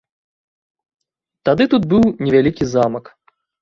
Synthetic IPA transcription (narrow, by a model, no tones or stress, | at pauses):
t̪ad̪ɨt̪ud̪̚bɨwnʲɛvʲalʲikʲizamɐk